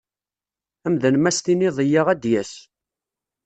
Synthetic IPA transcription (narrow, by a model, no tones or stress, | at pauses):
æmðənmæst̪inɪðˤəjaʁæd̪jæs